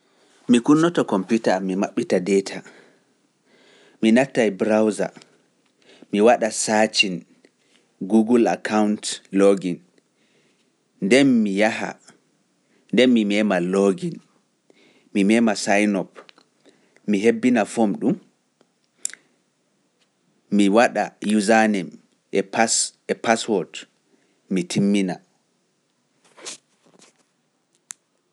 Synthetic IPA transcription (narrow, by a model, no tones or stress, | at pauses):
mikunːɔtɔkɔmputamːimaɓːitadɛtʰa | minatːajbɾawza̰ | miwaɗasat͡ʃin | ɡuɡula̰kʰawntloɡin | ndɛnmijaha̰ | ndɛmimɛːmaloɡin | mimɛːmasajnɔp | miɦebːinafomɗum | miwaɗajuzanɛm | ɛpsɛpaswɔt | mitʰimːina